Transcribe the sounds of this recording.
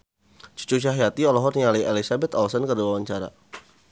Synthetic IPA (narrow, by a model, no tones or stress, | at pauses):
t͡ʃu̥t͡ʃuʃ̬aɦijat̪iɔlɔɦɔrnialiʔelisabɛt̪ɔlsɔnkərduawaɲt͡ʃaɾa̰